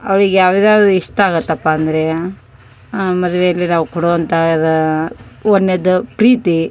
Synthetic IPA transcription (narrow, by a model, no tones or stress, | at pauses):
ɐ̰ʋɐɭiɡejaːʋid̪aːiʂʈaːɡɐt̪ːɐpːaːnd̪ɐɾe̞ | mɐd̪ʋejɐlːinaːʋukuɽoːʋɐnt̪ʰaɐd̪ɐ | onːed̪ːupɾiːt̪i